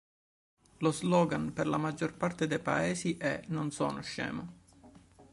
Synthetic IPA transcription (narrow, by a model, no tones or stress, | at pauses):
lozlɔːɡanperlamad͡ʒːorpart̪ed̪ejpa̰eːsiʔɛ̰nonso̰ːnoʃːɛ̰ːmo